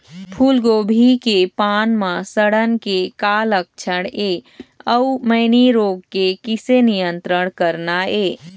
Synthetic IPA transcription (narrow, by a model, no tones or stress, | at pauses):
pʰulɡobʱikepanmasəɽənkekalək̚t͡ʃʰəɽeəuməɪniɾoɡkekisenijənt̪ɾəɽkəɾnae